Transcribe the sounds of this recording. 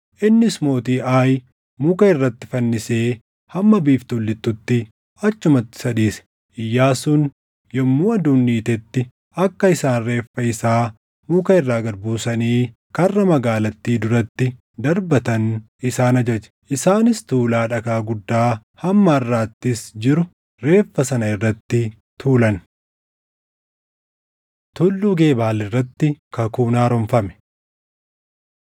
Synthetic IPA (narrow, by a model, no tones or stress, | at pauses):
ʔɪnːɪsmo̞ːt̪iːʔaːj | muːkɐɪrːɐt̪ːɪfɐnːɪseː | hɐmːɐbiːft̪ʊlːɪt̪ːʊt̪ːɪ | ɐt͡ʃːʊmɐt̪ːɪ̥sɐᶑ̪iːsɛ̥ | ɪjːaːsʊn | jɔmːuːɐd̪uːnːiːt̪ɛt̪ːɪ | ʔɐkːɐɪsaːnre̞ːfːɐɪsaː | muːkɐɪrːaːɡɐɾbuːsɐniː | kɐrːɐmɐɡaːlɐt̪ːiːd̪ʊɾɐt̪ːɪ | d̪ɐɾbɐt̪ɐnʔɪsaːnɐd͡ʒɐd͡ʒɐ̥ʔɪsaːnɪst̪uːlaːᶑɐkaːɡʊd̪ːaːhɐmːɐɪrːaːt̪ːɪsd͡ʒɪɾʊ | ɾe̞ːfːɐsɐnɐɪrːɐt̪ːɪ | t̪ʰuːlɐn | t̪ʊlːuːɡe̞ːbaːlɪrːɐt̪ːɪkɐkuːnaːɾɔmfɐmɛ̥